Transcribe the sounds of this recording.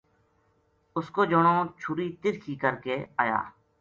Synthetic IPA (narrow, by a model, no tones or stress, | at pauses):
ʊskoːd͡ʒoːɳoːt͡ʃʰʊːɾiːt̪ɪɾkʰiːkəɾkeːa̰ːja̰ː